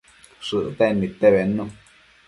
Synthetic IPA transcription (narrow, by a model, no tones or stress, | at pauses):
ʂɨʔt̪enĩt̪eβenõ